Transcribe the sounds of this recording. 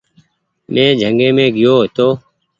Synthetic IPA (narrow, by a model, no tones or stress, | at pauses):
mẽːd͡ʒʱəŋɡẽːmẽːɡɪjoːɦt̪oː